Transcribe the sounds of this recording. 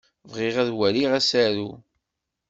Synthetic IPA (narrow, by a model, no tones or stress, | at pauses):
vʁɪʁæðwæliʁæsæɾu